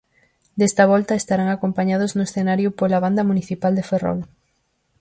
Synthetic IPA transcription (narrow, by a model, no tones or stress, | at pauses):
d̪est̪ɐβ̞ɔlt̪ɐest̪aɾaŋakompaɲað̞oznʊesθenaɾjʊpolaβ̞and̪ɐmuniθipald̪eferɔ̰l